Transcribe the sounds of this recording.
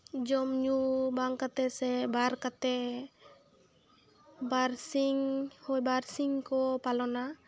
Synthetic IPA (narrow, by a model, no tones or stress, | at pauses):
d͡ʒɔmɲubaŋkat̪ɛsɛbaɾkat̪ɛ | baɾsiŋhɔjbaɾsiŋkɔpalɔna